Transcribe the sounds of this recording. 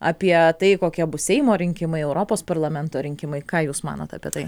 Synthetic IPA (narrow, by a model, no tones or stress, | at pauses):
ɐ̰pʲiɛt̪ɐɪkoːkʲiɛbʊsʲɛɪmoːɾʲɪŋʲkʲɪmɐɪɛʊɾoːpoːspɐrlˠɐmʲɛnt̪oːɾʲɪŋʲkʲɪmɐɪkɑːjuːsmɑ̰ːno̰t̪ɐ̰pʲiɛt̪ɐɪ